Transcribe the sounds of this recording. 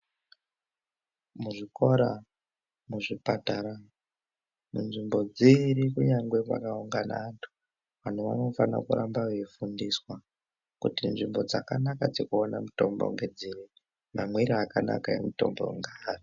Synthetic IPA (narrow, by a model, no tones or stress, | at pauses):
muʐiko̞ɾa | muʐipataɾa | munʐimbo̞d͡ziɾikuɲaŋɡwe̞pa̰kauŋɡanaːntʰu̥ | ʋan̤uʋa̰no̞fana̰kuɾambaʋeifundiswa | kutinʐimbo̞d͡zakanakad͡zekuonamuto̞mbo̰ŋɡe̞d͡ziɾi | mamweɾiakana̰kaḛmuto̞̰mbo̰ŋɡaari